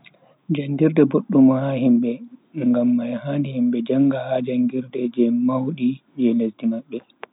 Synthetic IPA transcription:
d͡ʒandiɾdɛboɗːumahahimɓɛŋɡamːajhaːndihimbɛd͡ʒaŋɡahad͡ʒaŋɡiɾdɛd͡ʒɛmawɗid͡ʒɛlesdimaɓːɛ

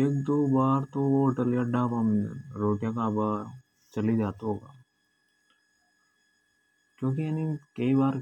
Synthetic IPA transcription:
eːkd̪oːbaːɾt̪oʋooːʈəljaɖaːbɐmɾoːʈijakaba | t͡ʃɐlid͡ʒaːt̪ɦoːɡaː | kjõːkiɐnikɐibaːɾ

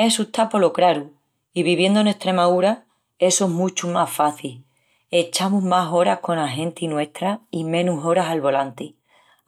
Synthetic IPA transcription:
e̞sut̪apo̞lo̞kɾaɾu | iβiβje̞nd̪one̞st̪ɾe̞maðuɾa | e̞soeɦmũt͡ʃumafaθil | e̞t͡ʃamuɦmaso̞ɾahko̞naɦẽ̞nt̪inwe̞st̪ɾaimẽ̞nuso̞ɾasalβo̞lant̪i

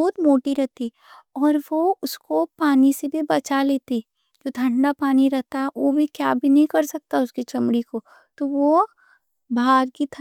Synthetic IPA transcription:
ɔːt̪moːʈiɾɛɦt̪i | ɔːɾʋoʊskopaːnisebʱibɐt͡ʃaleːt̪i | d͡ʒoːt̪ʰɐ̃ɳɖapaːniɾɛɦt̪aɦɛʋobʱikjaːbʱinɐɦĩkɐɾsɐk̚t̪aɦɛʊskit͡ʃɐmɽiko | t̪oʋo | baːɾkit̪ʰ

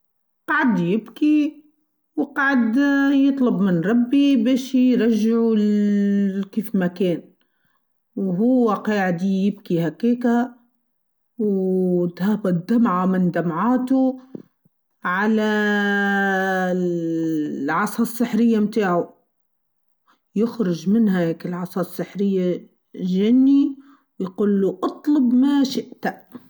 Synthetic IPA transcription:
qɑʕad̪jɪbki | wɪqɑʕad̪jɨt̪ˤlʊbmɪnɾˤɑbːibeːʃjɾˤɑʒːɪʕu | kiːfmakeːn | wɦʊwːaqɑːʕɪd̪ijɪbkihakiːka | wt̪haːbad̪amʕamɪnd̪amʕaːt̪ʊ | ʕala | ʕɑsˤɑsˤːɨħɾɪjːamt̪aːʕʊ | jɪxɾɪʒmɪnhaheːkɪlʕɑsˤɑsˤːɪħɾɪjːa | ʒanːi | wjquːlːuʔɑt̪ˤlʊbmaʃɪʔt̪a

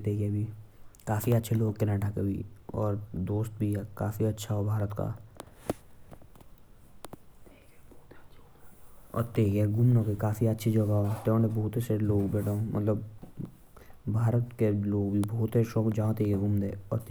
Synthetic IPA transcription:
t̪eːɡebʱikaːfiətːʃʰeloːɡkɪnãːʈakebʱḭɔːɾd̪oːst̪̚bʱikaːfiɐtːʃʰaɦobʱaːɾət̪ka̰ | ɔ̰ːɾt̪eːɡeɡʊmnokekaːfiətːʃʰid͡ʒɐɡaːot̪eõnebɔɦʊt̪eseloːɡbɛːʈʰaõmɐ̰t̪ləb | bʱaːɾət̪keloːɡbʱibɐɦʊt̪eʃɔːkd͡ʒãːt̪eɡeɡʊmd̪ḛːɔ̰ːɾt̪

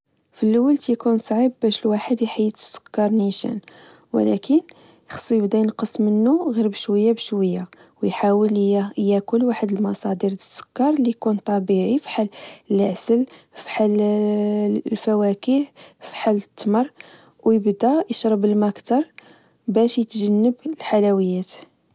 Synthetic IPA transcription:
filːwəlt̪jkunsˤʕibːæʃəlwaħəd̪jħajːət̪ə̥sːʊ̥kːɑɾˤniʃə̰n | wə̰lækən | jxə̥sˤːujəbd̪ænqəsːmənːuɣiɾbəʃwəjːabəʃwəjːa | wjħawəljækʊlwaħəd̪əlmɑsˤɑd̪əɾd̪əsːʊ̥kːɑɾˤlijkunt̪ˤɑbiʕifi̥ħaləlʕsəl | fi̥ħal | lfæwækihfi̥ħalːət̪ːmɑrˤ | wjəbd̪æjəʃɾˤɑbəlmækt̪ɑɾˤ | bæʃjət̪ʒənːəblħalæwəjːæt̪

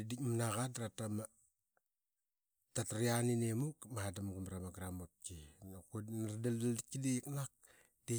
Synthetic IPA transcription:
idikmanaɣatɾatama | tataɾianinemukmaadamɡumɾamaɡɾamot̚kinakunadaldaldikidejiknak̚ | d̥e

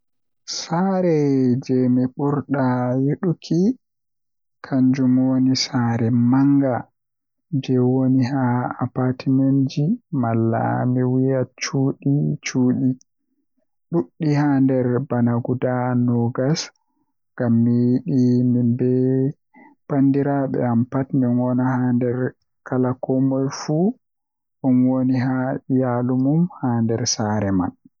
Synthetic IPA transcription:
saɾɛd͡ʒɛmiɓuɾɗajuɗukʰi | kʰaɲd͡ʒumwonisaːɾɛmaŋɡa | d͡ʒɛwoniɦaapatimand͡ʒimalːa̰miwijat͡ʃuːɗit͡ʃuːɗi | ɗuɗːihandɛɾbanaɡudanɔɡas | ŋɡamːijiɗimimbɛ | pandiɾaɓɛ̰ampatminwɔnahandɛɾ | kʰalakɔmɔjfu | ɗunwoniɦaijalumumhaːndɛɾsaɾɛma̰n

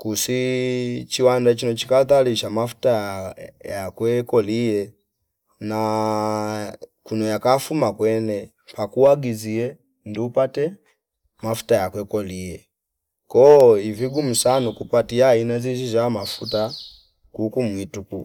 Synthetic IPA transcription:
kusi | t͡ʃiwandat͡ʃinɔt͡ʃi̥kaθaliʃamafu̥ta | jakwɛkɔlijɛ | na | kunɔjakafumakwɛnɛ | pakuaɡiziɛ | ndiupatɛ | mafu̥tajakwɛkɔlijɛ | kɔiviɡum̩sanukupatiainazizizamafuta | kukumwituku

